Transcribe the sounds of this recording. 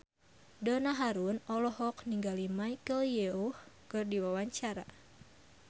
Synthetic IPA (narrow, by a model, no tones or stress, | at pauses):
dɔnaɦaɾunɔlɔɦɔk̚niŋɡalimajkəljeuhkərdiwawaɲt͡ʃaɾa̰